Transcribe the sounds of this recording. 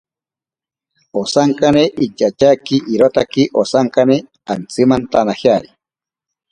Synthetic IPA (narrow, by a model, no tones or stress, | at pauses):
osaŋkaneʔit͡ʃat͡ʃakiʔiɾot̪akiʔosaŋkane | ant͡sɨmant̪anahjaɾi